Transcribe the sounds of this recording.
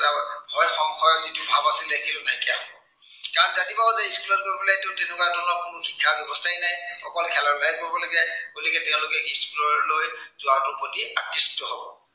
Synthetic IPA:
abʱɔjxɔŋxɔjɔzitʊbʱabasilɛkʰilʊnaɦikɛaɦɔbɔ̰ | kaɹɔnzanibɔɦɔzɛiskulɔt̚koɹbilatʊtenʊkadɔnɔkʊnʊxikʰːabjɔbɔstʰaɛnajɔkɔlkʰɛlaɹlaibɔbɔlɔɡɛɡolikɛtɛʊ̃lʊkɛkiskulɔɹlojzʊatʊpotiatːisi̥tɔɦɔbɔ̰

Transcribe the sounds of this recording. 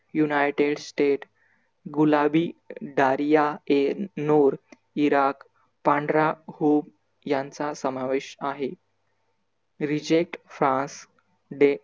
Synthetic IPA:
junajʈeɽsʈeʈ | ɡulabiːɖaɾijaenoɾ | iɾak | pãɳɖɾahum | jãnt͡sasəmaʋeɕaɦe | ɾid͡ʑek̚ʈfɾãns | ɖe

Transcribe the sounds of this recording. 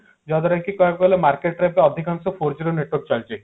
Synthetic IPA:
d͡ʒɔd̪ɾajkikɔjkɔlemaɾkeʈɾepeɔd̪ʱikansɔpʰoɾd͡ʒiɾoneʈwɔɾk̚t͡ʃalt͡ʃi

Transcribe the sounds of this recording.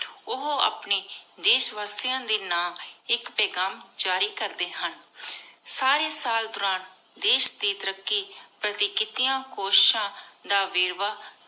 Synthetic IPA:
ʊɦoa̰ːpneːd̪eːʃʋaːst̪ɪjãːd̪iːnaːɪkpɛːɡaːmd͡ʒaːɾiːkəɾd̪eːɦən | saːɾeːsaːld̪ʊɾaːn | d̪eːʃd̪iːt̪ɾəkːiːpɾət̪iːkɪt̪ijãːkoːʃʃãːd̪aːʋɪːɾʋaː

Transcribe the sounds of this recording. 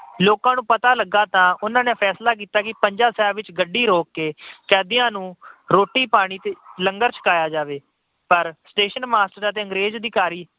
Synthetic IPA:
loːkãːnũːpət̪aːləɡːaːt̪ãːʔʊnãːneːpʰɛːslaːk̬iːt̪aːkɪpəɲd͡ʒaːsɛːʋɪt͡ʃɡəɖːiːɾoːkːeːkɛːd̪ɪjãːnũːɾoːʈːiːpaːɽ̃iːt̪eːləŋɡəɾt͡ʃʰə̥kaːjaːd͡ʒaːʋeː | pəɾsʈeːʃənmaːsʈəɾət̪eːə̃ŋɡɾeːd͡ʒd̪iːkaːɾiː

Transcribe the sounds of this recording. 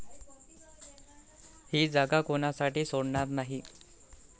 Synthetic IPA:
hiːd͡zaɡakonasaʈiːsoɽɳat̪naɦi

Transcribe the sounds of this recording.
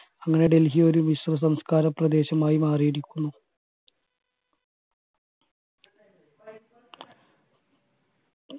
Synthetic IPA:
ɐŋːɐne̞ɖe̞lɦijo̞ɾumisrɐs̬ɐmskaːɾɐprɐd̪e̞ːɕɐmaːjimaːrijiɾikʲːunːu

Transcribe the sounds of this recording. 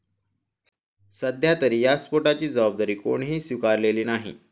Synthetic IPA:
səd̪ʱjat̪əɾiːjaspoʈat͡ɕiːd͡zəbab̚d̪aɾiːko̰ɳɦiːsʋikaɾleliːnaɦḭ

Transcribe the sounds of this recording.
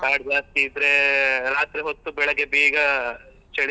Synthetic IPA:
kaːɽd͡ʒaːst̪iːd̪ɾeɾaːt̪ɾeɦot̪ːubɛɭɐɡebiːɡɐ | t͡ʃɐɽ

